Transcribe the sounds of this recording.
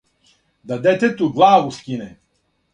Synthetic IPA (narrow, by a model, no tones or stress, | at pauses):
d̪ad̪ɛt̪ɛt̪uɡlˠaːvuskʲinɛ